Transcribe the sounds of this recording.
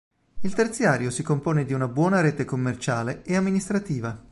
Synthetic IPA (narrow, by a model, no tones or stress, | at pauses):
ilt̪ert̪sjaːɾjosikompoːned̪iunabwɔːnaɾeːt̪ekomːert͡ʃaːleeamːinist̪ɾat̪iːva